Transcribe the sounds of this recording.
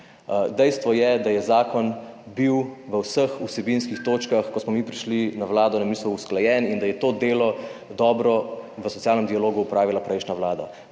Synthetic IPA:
d̪ɛjst̪ʋɔjɛd̪ajɛzaːkɔnbiwʋəwsəxusɛbinskixt̪oːt͡ʃkaxkɔsmɔmipɾiʃlinaʋlaːd̪ɔnamisuwusklajɛːnind̪ajɛt̪oːd̪eːlɔd̪ɔːbɾɔʋəsɔt̪sjaːlnəmd̪ialoːɡuːpɾaːʋilapɾɛjʃnaʋlaːd̪a

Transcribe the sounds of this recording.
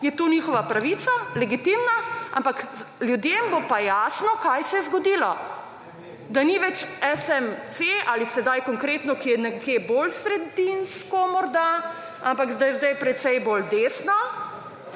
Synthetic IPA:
jɛt̪oniːxɔʋapɾaʋiːt̪salɛɡit̪imnaa̰mpakljud̪jeːmbopajasnɔkajsɛjɛzɡɔd̪iːlɔ | d̪aniʋɛt͡ʃɛsɛmsealisɛd̪ajkɔŋkɾeːt̪nɔkijɛnɛkʰebolsɾɛd̪inskɔmɔɾd̪a | ampakzd̪ajzd̪ajpɾɛt̪sɛjbold̪eːsna

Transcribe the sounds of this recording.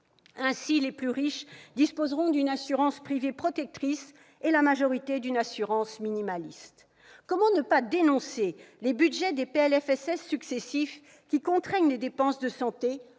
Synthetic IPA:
ɛ̃sileplyʁiʃd̪ispozʁɔ̃d̪ynasyʁɑ̃spχivepχɔt̪ɛk̚t̪χis | elamaʒɔʁit̪ed̪ynasyʁɑ̃sminimalist̪ | kɔmɑ̃nəpad̪enɔ̃selebydʒɛd̪epeɛlɛfɛsɛsːyksesif | kʲikɔ̃t̪χɛɲled̪epɑ̃sd̪əsɑ̃t̪e

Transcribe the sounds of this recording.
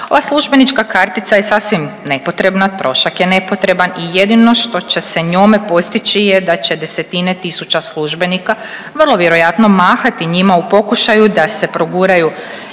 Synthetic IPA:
oʋaslˠuʒbe̞nit͡ʃkakaɾt̪it̪saje̞sasʋimne̞po̞t̪ɾe̞bnat̪ɾo̞ʃakjene̞po̞t̪ɾe̞banijed̪ino̞ʃt̪o̞t͡ɕe̞se̞ɲome̞po̞st̪it͡ʃijed̪at͡ʃe̞d̪e̞se̞t̪inet̪isut͡ʃaslˠuʒbe̞nika | ʋərlˠo̞ʋjeɾo̞jat̪no̞maːxat̪iɲimaupo̞kuʃajud̪ase̞pɾoɡuːɾaju

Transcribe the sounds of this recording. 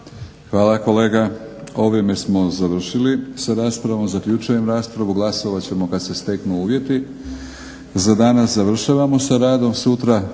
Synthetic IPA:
xʋaːlako̞le̞ːɡao̞ʋjeme̞smo̞zaʋr̩ʃilisaɾaːspɾaʋo̞mzakʎut͡ʃujemɾaːspɾaʋuɡlˠaso̞ʋat͡ɕe̞mo̞kad̪se̞st̪e̞knuuːʋje̞t̪i | zad̪anaszaʋr̩ʃaʋamo̞saɾaːd̪o̞msut̪ɾa

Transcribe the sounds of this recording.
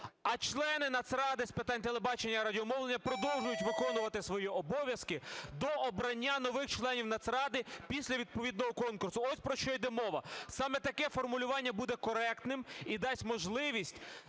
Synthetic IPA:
ɐt͡ʃlˠɛnɪnɐt̪sɾɑd̪ɪspɪt̪ɑnʲt̪elˠebɑt͡ʃenʲːɐɾɐdʲiɔmɔwlenʲːɐpɾɔd̪ɔw̪ˠʒʊjʊtʲʋɪkɔnʊʋɐt̪ɪsʋɔjiɔbɔʋʲjɐskɪd̪ɔʔɔbɾɐnʲːanɔʋɪxt͡ʃlˠɛnʲiwnɐt̪sɾɑd̪ɪpʲisʲlʲɐʋʲid̪̚pɔʋʲid̪̚nɔɦɔkɔnkʊrsʊɔsʲpɾɔʃt͡ʃɔjd̪ɛmɔʋɐsɑmɛt̪ɐkɛfɔrmʊlʲʊʋɑnʲːɐbud̪ɛkɔɾɛkt̪nɪmid̪ɑsʲmɔʒlˠɪʋʲisʲtʲ

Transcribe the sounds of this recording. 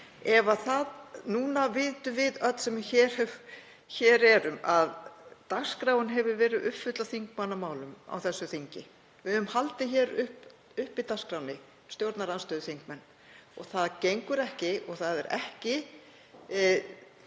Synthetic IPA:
ɛvaθaðnuːnavɪːt̪ʏvɪðœt̪sɛmɪçɛːɾ̥ | çɛːɾɛɾʏmaðt̪axskɾaːwʏnɦɛvʏɾvɛːɾɪʏpfʏt̪laθiŋkmanːamaːwlʏma̰wθɛsːʏθiɲcɪ | vɪðʏmhalt̪ɪçɛːɾʏhp | ʏhpit̪askɾawnɪ | st̪jowɾt̪naɾanst̪œːðʏθiŋkmɛnː | ɔ̰ɣθaðcejŋkʏɾɛhcɪʔɔɣθaðɛɾɛ̰hcɪ

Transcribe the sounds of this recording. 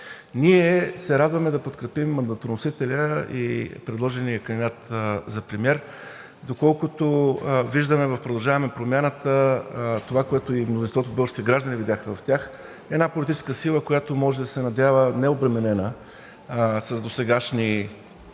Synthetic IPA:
niɛsɛɾad̪vɐmɛd̪ɐpot̪kɾɛpimːɐnd̪ɐt̪onosit̪ɛlʲəḭpɾɛd̪lˠɔʒɛnijəkɐnd̪ʲid̪at̪zɐpɾɛmʲjɛɾ | d̪okɔlˠkʊt̪oviʒd̪əmɛvɐfpɾod̪ɐlˠʒavɐmɛpɾomjanət̪ət̪ovakoɛt̪oimnozinst̪vɔt̪obɤlˠəʃt̪it̪ɛɡɾaʒd̪ənivid̪ʲjaxmɛvɐft̪ʲjax | ɛnapolʲit̪it͡ʃɛskəsilˠəkojat̪omɔʒɛd̪ɐsɛnɐd̪ʲavənɛobɾɛmɛnɛnə | sɐzd̪osɛɡaʃni

